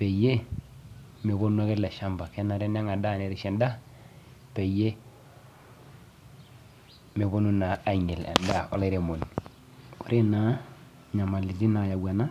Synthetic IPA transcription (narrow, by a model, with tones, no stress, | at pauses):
pe˨je˦ | me˨βo˦nu˦a˦ke˦tla˨ʃa˦mba˨ke˦na˨ɾe˦n˦a˦ŋa˨da˦˨ne˨ɾi˦ʃe˨nda˦ | pe˨je˦ | me˨βo˦nu˦na˨a˦˨ɲe˨la̰˨nda˦˨ɔ̰˦le˦ɾe˨mo˨n | o˨ɾe˦na˨˦ | ɲa˨ma˨li˨di˦na˨ja˨wa˨na˦